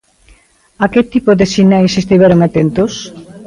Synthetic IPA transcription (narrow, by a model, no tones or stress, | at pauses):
aket̪ipoðesinaisest̪iβeɾoŋat̪ent̪os